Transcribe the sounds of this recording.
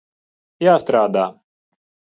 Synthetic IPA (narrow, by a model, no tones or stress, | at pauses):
jaːst̪ɾaːd̪aː